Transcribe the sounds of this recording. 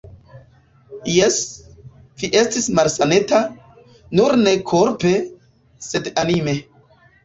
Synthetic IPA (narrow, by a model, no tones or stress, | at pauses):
jes | v̥iʔe̞stismalsane̞ta | nuɾne̞kʰoɾpe̞ | se̞danime̞